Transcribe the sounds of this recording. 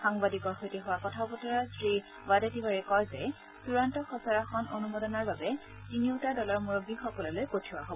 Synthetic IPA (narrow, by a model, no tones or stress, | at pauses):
xaŋbadikɔɹxojtiɦʊwakɔtʰabɔtɔɹasɹi | wadetibaɹɛkɔjzɛ | suɹantɔxɔsɔɹaxɔnonumɔdɔnɔɹbabɛ | tiniʊtadɔlɔɹmuɹobixɔkɔlɔlojkotʰiwaɦobɔ